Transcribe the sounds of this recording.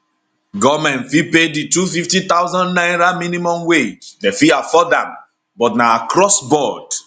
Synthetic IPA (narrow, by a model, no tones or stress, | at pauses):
ɡɔmɛ̃ntfipeditufiftĩt̪awzɔ̃ndnãɪ̃nɹamĩnĩmɔ̃mwed͡ʒdefiafɔdã̰m | bɔtnaakɹɔsbɔd̥